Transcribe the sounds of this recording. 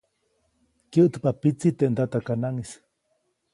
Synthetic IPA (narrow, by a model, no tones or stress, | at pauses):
kjəʔt̪papit͡sit̪eʔnd̪at̪akanaŋis